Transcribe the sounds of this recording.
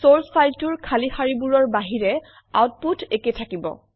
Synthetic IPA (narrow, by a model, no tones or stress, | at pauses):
solspajltuɹkʰalixaɹibuɹɔɹbaɦiɹɛ | a̰wt̚putʰeketʰakibɔ̰